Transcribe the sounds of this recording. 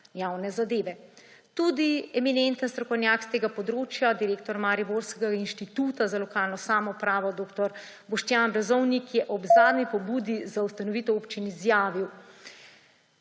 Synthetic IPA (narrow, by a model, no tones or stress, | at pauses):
jaːwnɛzad̪eːʋɛt̪ud̪iɛminent̪ənst̪ɾɔkɔwnʲjaːkst̪eːɡapɔd̪ɾoːt͡ʃjad̪iɾeːk̚t̪ɔɾmaɾiboɾskɛɡainʃt̪it̪uːt̪azalɔkaːlnɔsaːmɔpɾaːʋɔd̪oːkt̪ɔɾ | bɔʃt̪jaːnbɾɛzɔwnikjɛʔɔbzaːd̪nipɔbuːd̪izaust̪anɔʋiːt̪ɔopt͡ʃinizjaːʋiw